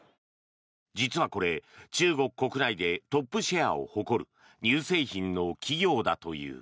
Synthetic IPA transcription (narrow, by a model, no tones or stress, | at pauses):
d͡ʑit͡sɨβako̞ɾe̞t͡ɕɨːɡo̞kɯ̟̥kːo̞kɯ̟naid̪e̞t̪o̞pːɯ̟ɕeao̞̰ho̞ko̞ɾɯ̟̰ | ɲ̟ɨːse̞ːçĩnnːo̞kʲʰiɡʲo̞ːd̪at̪o̞jɯ̰ː